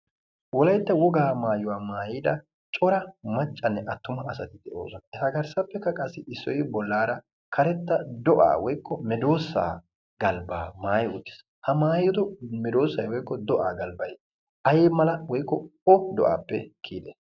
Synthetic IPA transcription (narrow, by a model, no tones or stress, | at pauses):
wɔlɐjt̪ːɐwɔɡaːmaːjʊwaːmaːjiːd̪ɐ | t͡ʃʼɔɾɐmɐt͡ʃʼːɐnːɛʔɐt̪ːʊmɐːsɐt̪ɪd̪ɛʔo̰ːsɔnɐɛhɐɡɐɾsɐpːɛkːɐkʼɐsːɪɪsːɔjbɔlːaːɾɐ | kʰɐɾɛt̪ːɐd̪ɔʔa̰ːwɔjkːɔmɛd̪o̞ːsːa̰ː | ɡɐlba̰ːmaːjʊt̪ːɪ̥s | hɐmaːjɔd̪ɔmɛd̪o̞ːsːɐjwɔjkːɔd̪ɔʔaːɡɐlbɐj | ʔɐjeːmɐlɐwɔjkːɔɔd̪ɔʔa̰ːpːɛ̰kʰiːd̪ɛ̰